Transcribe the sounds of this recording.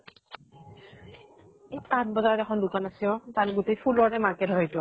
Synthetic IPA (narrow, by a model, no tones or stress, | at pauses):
ejpatbɔzaɹɔɾɛxʰɔndukanasiɔ̃tanɡutejpʰulɔɹɹɛmakɛdʱɔɛjtɔ